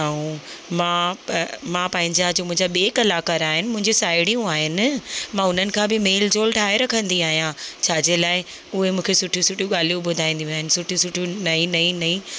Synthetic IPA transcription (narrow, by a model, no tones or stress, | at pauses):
aːũmãː | mãːpɐ̃ɦɪ̃ɲd͡ʑad͡ʑoːmʊ̃ɪ̃ɲd͡ʑaɓieːkɐlaːkəɾaːɦɪnɪmʊ̃ɦɪ̃ɲd͡ʑosaːɪɽijũaːɦɪnɪ̆mãːʊn̤ənɪ̆kʰãːbɪmeːld͡ʑoːlʈʰaːeɾɐkʰə̃nd̪iaːɦijãt͡ɕʰaːd͡ʑeːlaːɪ | ʊɦemũːkʰesʊʈʰjũsʊʈʰijũɠaːl̤ijũbʊd̪ʱaːĩːnd̪jũaːɦɪnɪ̆sʊʈʰijũsʊʈʰjunɐĩnɐĩnɐĩ